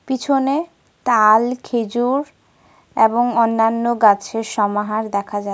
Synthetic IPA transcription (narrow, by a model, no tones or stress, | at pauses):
pit͡ɕʰone | t̪alkʰed͡ʑuɾ | eboŋɔnːanːoɡat͡ɕʰeɾʃɔmaɦaɾd̪ɛkʰad͡ʑa